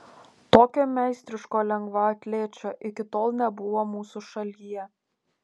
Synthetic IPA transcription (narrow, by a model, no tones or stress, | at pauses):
t̪oːkʲoːmʲɛˑɪsʲt̪ʲɾʲɪʃkoːlʲɛŋɡʋɐɐt̪ʲlʲeːt͡ʃʲoːʔɪkʲɪt̪oːlˠnʲɛbʊʋoːmuːsʊʃɐlʲijɛ